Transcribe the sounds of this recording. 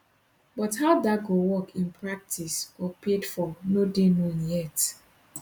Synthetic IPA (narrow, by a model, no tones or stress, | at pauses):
bɔthaʊdaɡowɔkĩnpʰɹak̚tʰisɔpʰedfɔnodenɔ̃njɛt